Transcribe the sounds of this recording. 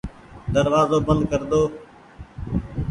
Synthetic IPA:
d̪əɾʋaːzoːbənd̪̚kəɾd̪oː

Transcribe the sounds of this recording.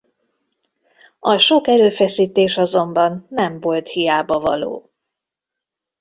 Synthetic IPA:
ɒʃo̞kɛɾøːfɛsiːt̪eːʃɒzo̞mbɒnːɛmvo̞lt̪hijaːbɒvɒ̰lo̰ː

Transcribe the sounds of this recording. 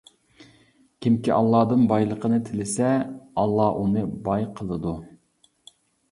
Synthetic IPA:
kʲʰimkʲiʔɑlˠːɑːd̪ɨnbɑjlˠəqʰənɨt̪ʰɪlɪsɛɑlˠːɑʔunɨbɑjqʰəlˠɨd̪u

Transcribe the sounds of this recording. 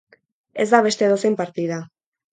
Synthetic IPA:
e̞zd̪aβ̞e̞st̪eðosejmpaɾt̪iða

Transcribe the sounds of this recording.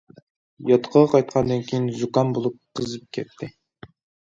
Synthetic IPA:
jɑt̪qʰɑʁɑqʰɑjt̪̚qʰɑnd̪ɨnkʲʰijinzukɑnbolˠup̚qʰəzɨp̚kʲʰɛt̪ʰːɪ

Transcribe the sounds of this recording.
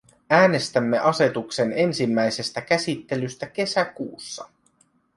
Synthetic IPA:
æːne̞st̪æmːe̞ʔɑse̞t̪ukse̞ne̞nsimːæjse̞st̪ækæsit̪ːe̞lyst̪æk̟e̞sækuːsːɑ̰

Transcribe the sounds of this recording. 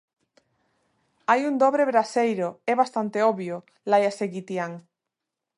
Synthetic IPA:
ajund̪oβɾeβɾasejɾʊɛβast̪ant̪eɔβjʊ | lajaseɣit̪jaŋ

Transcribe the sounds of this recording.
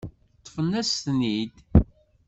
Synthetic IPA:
t̪ˤːfənːæsθnid̪

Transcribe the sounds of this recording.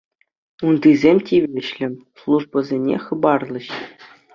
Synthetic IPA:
und̪ɯzʲemʲtʲiʋʲeɕlʲɘ̆mʲslˠuʐbɤ̆zʲenʲḛχɤ̆bɑrlˠɤ̆ɕ

